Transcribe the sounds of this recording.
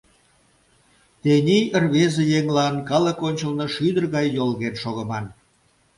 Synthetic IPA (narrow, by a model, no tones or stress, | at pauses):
t̪enʲijərβezejeŋlɑnkɑləkonʲt͡ɕəlnoʃyd̪ərɣɑjːolɣenʃoɣə̆mɑn